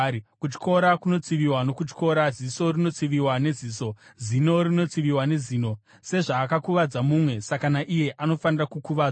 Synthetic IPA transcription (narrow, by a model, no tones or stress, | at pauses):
kut͡ʃi̥ko̞ɾakuno̞t͡siʋiwanokut͡ʃko̞ɾaziso̞rino̞t͡siʋiwane̞ziːso̞zino̞rino̞t͡siʋiwane̞ziːno̞ | se̞ʐaːkakuʋad͡zamumwe̞sakanaʔije̞ʔano̞fanirakukuʋaːd͡z